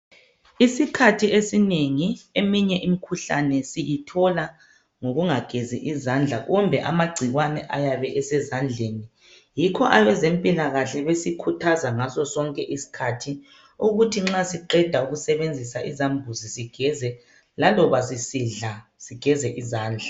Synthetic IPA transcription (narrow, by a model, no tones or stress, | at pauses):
isikʰatʰiesineŋiemiɲɛʔimikʰuɬanɛsijitʰɔla | ŋoɣuŋaɡ̥ʱeziʔizand͡ɮʱaɣumbʱɛʔamaɡ͡ǀʱiɣwanɛʔajaβɛʔɛsɛzand͡ɮʱeni | jikʰɔʔaβɛzempʼilaɣaɬɛβesikʰutʰazaŋasɔsɔŋkʼɛʔisi̥kʰatʰi | uɣutʰiŋ͡ǁasiǃɛd̥ʱauɣusɛβend͡zʱisaʔizambʱuzisiɡ̥ʱɛzɛ | lalɔβasisiɮa | siɡ̥ʱɛzɛʔizaːnd͡ɮʱa